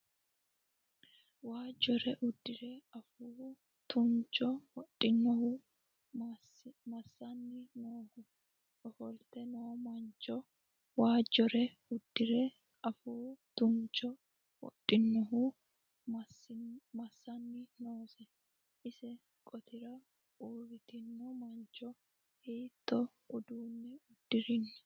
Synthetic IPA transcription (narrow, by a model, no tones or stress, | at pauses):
waːd͡ʒɔɾɛʔʊd̪ːɪɾɛɐfu | t̪ʊnt͡ʃʼɔwɔtʼːɪnːɔhʊ | mɐsːɐnːɪnoːhʊ | ɔfɔlt̪ɛnoːmɐnt͡ʃʼːɔ | waːd͡ʒɔɾɛ | ʊd̪̥ːɪɾɛ | ʔɐfuːd̪̥ʊnt͡ʃːɔ | wɔ̰tʼːɪnːɔɦʊ | mɐsːɐnːɪnoːsɛ | ʔɪsɛ | kʼɔt̪ʰɪɾɐ | uːɾɪt̪ɪnːɔmɐnt͡ʃʼːɔ | heːt̪ːɔ | ʔʊd̪uːnːɪʊd̪̥ːɪɾɪnːɛ̥